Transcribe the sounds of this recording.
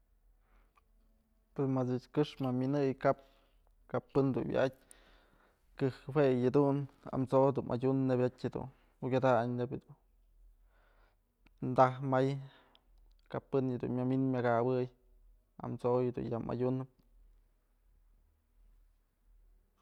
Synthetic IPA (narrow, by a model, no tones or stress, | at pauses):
pesmat͡sɨt͡ʃkɨʂmamʲinɨjkap̚ | kapːɨnd̪ṵnwʲj̰a̰t̚ʲ | kɨhwejad̪una̰mt͡soʔd̪umʔa̰dʲunːebʲatʲhed̪ṵn | uɡʲad̪aɲnebd̪un | nd̪ahmaj | kapːɨnhad̪ṵnmʲaminmʲaɡabɨj | a̰mt͡sojhed̪ṵnjama̰dʲunɨp̚